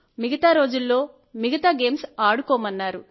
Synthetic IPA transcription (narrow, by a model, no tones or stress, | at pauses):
miɡɐt̪aːɾo̞ːd͡ʒulːo̞ː | miɡɐt̪aːɡe̞ːmsaːɽukɔːmɐnːaːɾu